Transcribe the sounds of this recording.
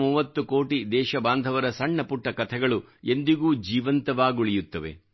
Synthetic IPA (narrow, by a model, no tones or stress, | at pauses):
uːʋɐt̪ːukoːʈid̪ɛːʃɐbaːnd̪ʱɐʋɐɾɐsɐɳːɐpuʈːɐkɐt̪ʰɛɡɐɭu | e̞nd̪iɡuːd͡ʒiːʋɐnt̪ɐʋaːɡuɭijut̪ːɐʋe̞̰